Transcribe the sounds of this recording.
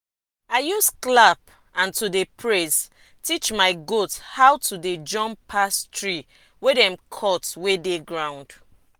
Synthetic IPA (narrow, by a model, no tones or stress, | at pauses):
aɪjusklap | ãntudepʰɹes | tit͡ʃmaɪɡothawtʰuded͡ʒɔ̃mpʰastɹi | wedɛ̃mkʰɔtwedeɡɹãʊ̃nd̥